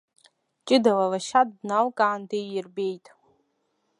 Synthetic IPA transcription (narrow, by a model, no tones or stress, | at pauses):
t͡ʃʼɪdalalaʃat̚ʼdnalkʼaʕandejɪrbe̞jtʼ